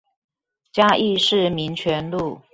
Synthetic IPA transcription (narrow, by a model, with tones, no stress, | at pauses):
t͡ɕja˥ʔi˥˧ʂɻ̩˥˩mi˧˦˥nt͡ɕʰɥɛ˧˦˥nlu˥˨